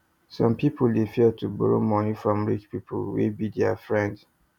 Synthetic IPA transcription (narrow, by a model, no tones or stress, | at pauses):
sɔ̃mpipʰoldefitubɔɹo̰mɔnifɹɔ̃mɹit͡ʃpipʰo̰lwḭbidɛafɹɛ̃nd